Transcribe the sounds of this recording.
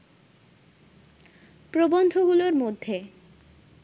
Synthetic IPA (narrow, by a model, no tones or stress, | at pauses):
pɾobond̪ʱoɡuloɾmod̪ʱːe